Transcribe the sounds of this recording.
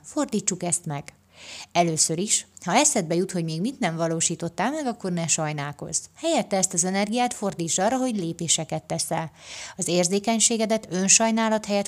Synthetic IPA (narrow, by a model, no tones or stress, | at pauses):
fo̞rd̪iːt͡ʃːukɛst̪mɛɡ̥ | ɛløːsøɾiʃhɒɛsɛd̪̚bɛjut̪ho̞ɟmeːɡmit̪nɛɱvɒloːʃiːt̪o̞t̪ːalmɛɡɒkːo̞rnɛʃɒjnaːko̞̰z̥hɛjɛt̪ːɛːst̪ɒzɛnɛrɡijaːt̪fo̞rd̪iːt͡ʃːɒrːɒɦo̞ɟleːpeːʃɛkɛt̪ːɛsɛlɒzeːrzeːkɛɲʃeːɡɛd̪ɛt̪ø̞nʃɒjnaːlɒt̪hɛjɛt̪